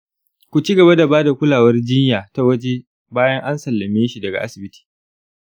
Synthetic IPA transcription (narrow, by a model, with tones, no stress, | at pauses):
kʷu˨t͡ʃi˦ɡɐ˨ba˦da˨baː˦da˨kʷʊ˦laː˨wɐ˦rd͡ʒɪ˦njaː˨ta˦wɐ˦d͡ʒe˦ | baː˦jɐ˦ŋʔa˦nsɐ˨lːɐ˨meː˦ʃi˨dɐ˨ɡa̰˨ʔa˦sɪ˨bɪ˦ti̥ː˨